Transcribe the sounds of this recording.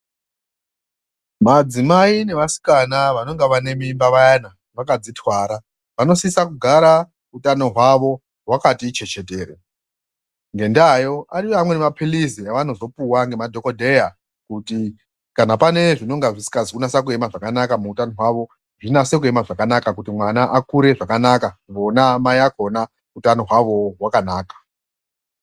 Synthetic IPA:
mad͡zimaine̞ʋasi̥kanaʋano̞ŋɡaʋane̞mimbaʋajana | ʋakad͡zitʰwaːɾa | ʋano̞sisakuɡʱaɾa | utano̞ɦwaʋo̞ | ɦwakatit͡ʃe̞t͡ʃe̞te̞ːre | ŋɡe̞ndajo̞aɾiʋamwe̞nemapʰiliziaʋano̞zo̞puwaŋɡe̞madʱo̞ko̞dʱe̞ja | kuti | kanapane̞ʐino̞ŋɡaʐisi̥kazikunasak̬ue̞maʐakanakamuutano̞ɦwaʋo̞ | ʐinase̞k̬ue̞maʐakanakakutimwanaʔakuɾe̞ʐakanakaʋo̞namajako̞na | utano̞ɦwaʋo̞ɦwakanaːkḁ

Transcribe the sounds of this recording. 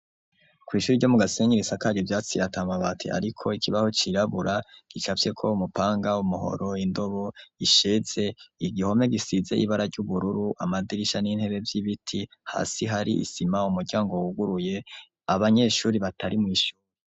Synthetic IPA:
kwiːʃuːɾiɟo̞muɡaseɲiɾisakaːɾjovjaːt͡siɾatamaβatʰḛʔa̰ɾikʰo̞ikʰiβahot͡ʃiɾaβuɾʔaɡ̥it͡ʃafje̞kʰo̞umupaːŋɡaumuho̞̰ɾo̞indo̞βo̞iʃez̥e̞iɡiho̞me̞ɡisize̞̰ʔḭβaɾaɾɟuβuɾuɾuʔamadiɾiʃanin̥he̞βe̞vjiβitʰiha̰ːsiɦaɾiʔḭsimaumuɾɟaːŋɡo̞wuɡuɾuje̞ | aβaɲe̞ʃuːɾiβatʰaɾimŋiːʃuːɾe

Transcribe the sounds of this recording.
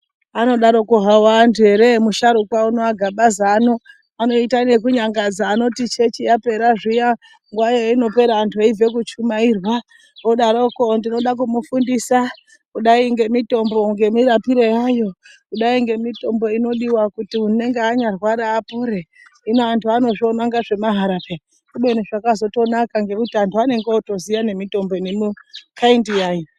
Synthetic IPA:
ano̞ɗaɾo̞kuɦawantʰue̞ɾemuʃaɾukwauno̞aɡʱaɓazaːno̞ | ano̞itane̞kuɲaŋɡad͡zaːno̞tit͡ʃe̞t͡ʃijape̞ɾaʐija | ŋɡwajoino̞pe̞ɾaːntʰuaive̞k̬ut͡ʃumairwa | oɗaɾokondino̞ɗak̬umufundisa | kuɗaiŋɡe̞mito̞mbo̞ŋɡe̞miɾapiɾejajo̞ | kuɗaiŋɡe̞mito̞mbo̞ino̞ɗiwakutiune̞ŋɡeaɲarwaɾaːpuɾe | inoantʰuano̞ʐio̞naŋɡaʐe̞maɦaɾapea | kuɓweniʐakazo̞to̞nakaŋɡe̞kutiantʰuane̞ŋɡeoto̞zijane̞mito̞mbo̞inimukʰaindijaːji

